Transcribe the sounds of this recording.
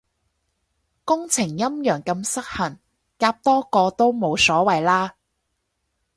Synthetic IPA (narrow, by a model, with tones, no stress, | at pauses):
kʊ˥ŋt͡sʰɪ˨˩ŋjɐ˥mjœː˨˩ŋkɐ˧msɐ˥k̚hɐ˨˩n | kaː˧p̚t̪ɔː˥kɔː˧t̪o˥wmo˨˧wsɔː˨˥wɐ˨jlaː˥